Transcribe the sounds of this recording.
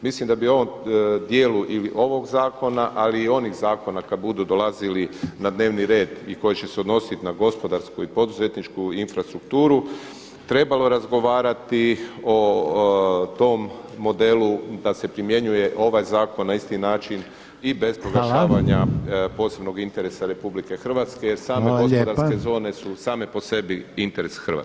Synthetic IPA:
mislimd̪abio̞ʋomd̪je̞ːluʔiliʔo̞ʋo̞ɡzaːko̞naʔaliːo̞niɣzaːko̞nakad̪̚bud̪ud̪o̞lazilinad̪ne̞ːʋniɾe̞ːd̪iko̞jet͡ɕe̞seod̪no̞sit̪naɡo̞spo̞d̪aɾskuipo̞d̪uze̞t̪nit͡ʃkuinfɾast̪ɾukt̪uːɾu | t̪ɾe̞balo̞ɾazɡo̞ʋaːɾat̪io̞ | t̪o̞mːo̞d̪e̞lud̪ase̞pɾimje̞ɲuje̞ʔo̞ʋajzaːko̞nːaist̪inaːt͡ʃin | ibe̞spɾoɡaʃaːʋaɲapo̞ːse̞bno̞ɡint̪e̞ɾe̞saɾe̞publike̞xr̩ʋat̪ske̞jeɾsaːmeɡospod̪aɾke̞zo̞ːne̞susaːme̞po̞se̞biint̪e̞ɾe̞sxr̩ʋa̰

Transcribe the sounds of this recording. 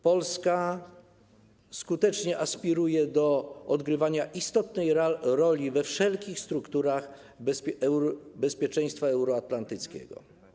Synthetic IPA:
pɔlska | skut̪ɛt͡ʂɲɛʔaspʲiɾujɛd̪ɔɔd̪ɡɾɘvaɲaʔist̪ɔt̪nɛjɾɔlʲivɛfʂɛlkʲixst̪ɾukt̪uɾax | bɛspʲjɛt͡ʂɛ̃j̃st̪faɛwɾɔat̪lant̪ɘt̪skʲɛ̰ɡɔ̰

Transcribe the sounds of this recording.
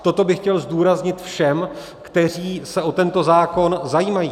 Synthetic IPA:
t̪o̞t̪o̞bɪxcɛlzd̪uːɾazɲɪt̪fʃɛm | kt̪ɛr̝iːsɛʔo̞t̪ɛnt̪o̞zaːko̞nzajiːmajiː

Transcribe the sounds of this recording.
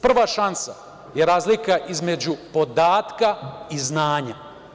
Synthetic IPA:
pr̩ʋaʃansa | jeɾaːzlikaʔizme̞d͡ʑupo̞d̪aːt̪kaiznaːɲa

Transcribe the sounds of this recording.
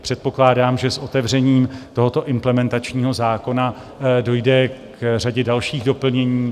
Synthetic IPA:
pr̝̥ɛt̪̚po̞klaːdaːmʒɛsʔo̞t̪ɛvr̝ɛɲiːmt̪o̞ɦo̞t̪o̞ʔɪmplɛmɛnt̪at͡ʃɲiːɦo̞zaːko̞na | do̞jdɛkraɟɛdalʃiːɣdo̞pl̩ɲɛɲiː

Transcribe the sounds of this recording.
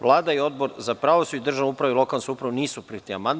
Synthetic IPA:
ʋlˠaːd̪aio̞d̪boɾzapɾaːʋosuid̪r̩ʒanupɾaʋeilo̞kalnsuupɾaʋoniːsupɾit̪ia̰mand̪

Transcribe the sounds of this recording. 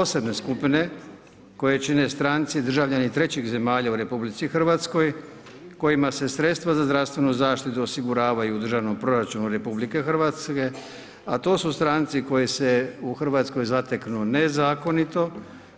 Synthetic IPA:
pose̞bne̞skupine̞ | ko̞je̞t͡ʃine̞st̪ɾant̪sid̪r̩ʒaʋʎanit̪ɾe̞t͡ɕiɣze̞maːʎauɾe̞publit̪sixr̩ʋat̪sko̞j | ko̞jimase̞sɾe̞t̪st̪ʋazazd̪ɾafst̪ʋe̞nuzaːʃt̪it̪uosiɡuɾaːʋajuːd̪r̩ʒaʋno̞mpɾo̞ɾat͡ʃunuɾe̞publike̞xr̩ʋat̪ske̞ | at̪o̞ːsust̪ɾant̪siko̞jese̞uxrʋaːt̪sko̞jzat̪eknune̞zaːko̞nit̪o̞

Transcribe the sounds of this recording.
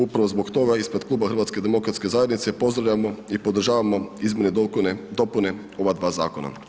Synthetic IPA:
upɾaʋozbokt̪o̞ɡaispɾe̥klˠuːbaxr̩ʋat̪sked̪emo̞kɾat̪ske̞zaje̞d̪nit̪se̞po̞zd̪ɾaʋʎamoipo̞d̪r̩ʒaːʋamo̞izmʲened̪oned̪o̞pune̞ | o̞ʋad̪ʋaːzaːko̞na̰

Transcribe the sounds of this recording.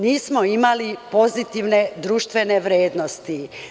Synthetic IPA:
niːsmo̞imalipo̞zit̪iʋne̞d̪ɾuːʃt̪ʋe̞ne̞ʋɾjeːd̪nost̪i

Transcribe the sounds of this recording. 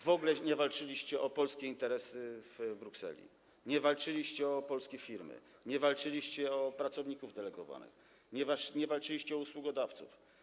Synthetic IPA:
vɔɡlɛɲɛvalt͡ʂɘlʲiɕt͡ɕɛʔɔpɔlskʲɛint̪ɛɾɛsɘvbɾuksɛ̰lʲḭ | ɲɛvalt͡ʂɘlʲiɕt͡ɕɛɔpɔlskʲefʲiɾmɘ̰ | ɲɛvalt͡ʂɘlʲiɕt͡ɕɛɔpɾat̪sɔvɲikuvd̪ɛlɛɡɔ̰va̰nɘ̰x | ɲɛvaʂɲɛvalt͡ʂɘlʲiɕt͡ɕɛɔuswuɡɔd̪aft̪sṵf

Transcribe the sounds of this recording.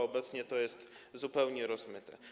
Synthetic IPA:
ɔbɛt̪sɲɛt̪ɔjɛst̪zupɛwɲɛɾɔzmɘt̪ɛ̰

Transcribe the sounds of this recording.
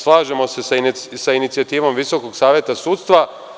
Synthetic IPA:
slˠaːʒemo̞se̞ssainit̪sijat̪iːʋo̞mʋiso̞koɡsaːʋjet̪asuːt̪st̪ʋa

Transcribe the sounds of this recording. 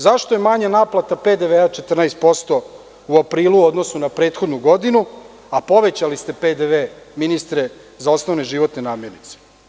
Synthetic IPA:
zaʃt̪ojemaɲanaːplat̪aped̪eʋeat͡ʃet̪r̩najst̪̚po̞st̪o̞ | uapɾiːluo̞d̪no̞sunapɾe̞ːt̪xo̞d̪nuɡo̞d̪inu | apo̞ʋe̞t͡ɕalist̪e̞ped̪eʋeminist̪ɾe | zao̞snoʋneʒiʋo̞t̪nenaːmje̞ɾnit̪se̥

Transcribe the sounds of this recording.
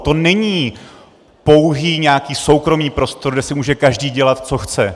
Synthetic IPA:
t̪o̞nɛɲiː | po̞wɦiːɲɛakiːso̞wkɾo̞miːpɾo̞st̪oɾɡdɛsɪmuːʒɛkaʒdiːɟɛlat̪t͡so̞xt͡sɛ

